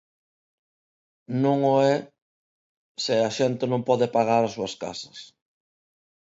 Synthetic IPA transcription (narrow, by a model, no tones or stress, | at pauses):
nõŋoɛ | sɪaʃɛnt̪enõmpɔðepaɣaɾasuaska̰sɐ̥s